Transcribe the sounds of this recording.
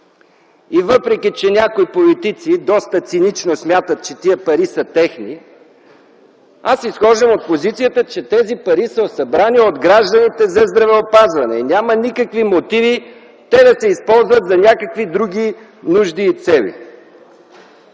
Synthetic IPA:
ivəpɾɛkʲit͡ʃɛnʲakoipolit̪it̪sid̪ɔst̪ət̪sinit͡ʃnosmʲjat̪ət̪̚t͡ʃɛt̪iəpɐɾisət̪ɛxni | asisxɔʒəmot̪̚pozit̪sijət̪ət͡ʃɛt̪ɛzipɐɾisəosɐbɾaniod̪ɡɾaʒd̪ɐnit̪ɛzɐzd̪ɾɐvɛopazvɐnɛinʲamɐnikəkvimot̪ivi | t̪ɛd̪ɐsɛispɔlˠzvɐt̪zɐnʲakəkvid̪ɾuɡ̟ʲi | nuʒd̪it̪sɛlḭ

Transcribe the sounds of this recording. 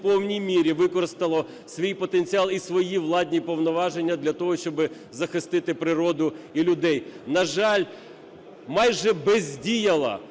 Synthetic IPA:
pɔwnʲijmʲiɾʲiʋɪkɔɾɪst̪ɐlˠɔ | sʋʲijpɔt̪enʲt͡sʲiɑlˠisʋɔjiʋlˠɑdʲnʲipɔwnɔʋɑʒenʲːɐd̪lʲɐt̪ɔɦɔʃʲt͡ʃɔbɪ | zɐxɪst̪ɪt̪ɪpɾɪɾɔd̪ʊilʲʊd̪ɛjnɐʒɑlʲ | mɑjʒɛbɛzʲdʲijɐlˠɐ̰

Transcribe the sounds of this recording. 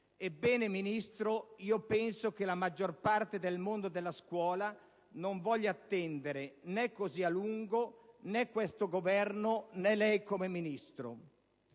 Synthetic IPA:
ebːɛːneminist̪ɾoiːopɛnsok̟elamad͡ʒːorpart̪ed̪elmond̪od̪elːaskwɔːla | noɱvɔʎːaːt̪ːɛnd̪eɾenɛkːozialuŋɡonɛkːwest̪oɡovɛrnonɛlɛjkomeminist̪ɾo̰

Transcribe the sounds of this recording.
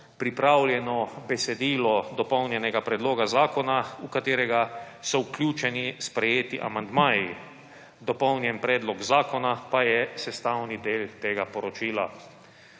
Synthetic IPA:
pɾipɾaːwljɛnɔbɛsɛd̪iːlɔd̪ɔpɔwnjɛnɛɡapɾɛd̪loːɡazaːkɔnaukat̪eːɾɛɡa | sɔuklʲjuːt͡ʃɛnispɾɛjeːt̪iʔa̰mand̪maːji | d̪ɔpɔwnjɛnpɾɛːd̪lɔɡzaːkɔnapajɛsɛst̪awnid̪eːlt̪eːɡapɔɾɔt͡ʃiːla

